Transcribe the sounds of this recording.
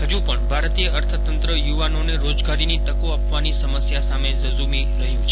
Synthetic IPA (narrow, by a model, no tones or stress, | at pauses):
ɦəd͡ʒũpəɳbʱaɾt̪ijəəɾt̪ʰət̪ənt̪ɾəjuʋanoneɾod͡ʒɡaɾinit̪əkoapʋanisəməsjasamezəzumiɾəjũt͡ʃʰ